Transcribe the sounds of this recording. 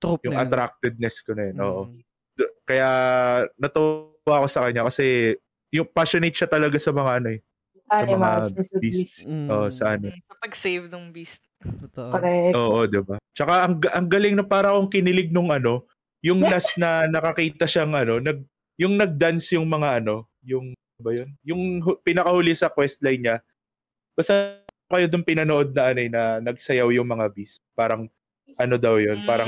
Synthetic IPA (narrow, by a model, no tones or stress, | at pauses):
jʊŋʔɐt̪ɾak̚t̪ɪd̪̚nɛskonɐjanʔo̞̰ːʔo̞ | d̪kɐjanɐt̪u | ako̞sɐkɐɲːakɐsɛ | jʊŋpaʃonejt̪̚ʃɐt̪ɐlɐɡasɐmɐŋaʔɐnoɛ | asɐmɐaɛsbiisʔoːʔosɐʔɐnoɐpɐɡsejvnʊŋbist̪ | ɐɛʔoːʔo̞d̪ɪbat͡ʃɐkaʔɐŋɡʔɐŋɡɐlɪŋnɐpaːɾɐkoŋkɪnɪlɪɡ̚nʊŋʔɐno̞ | jʊŋnasnɐnɐkɐkiːt̪ɐʃaŋʔɐno̞nɐɡ̚ | jʊŋnɐɡ̚d̪ansjʊŋmɐŋaʔɐno̞ | jʊŋ | bɐjonjʊŋɦpɪnɐkɐhʊlisɐkwɛst̪̚lɐjɲa | bɐsa | kɐjo̞d̪ʊnpɪnɐnoʔo̞d̪̚nɐʔɐnojnɐnɐɡ̚sɐjawjʊŋmɐŋabist̪̚paːɾɐŋ | ʔɐno̞d̪ɐwjo̞npaːɾɐŋ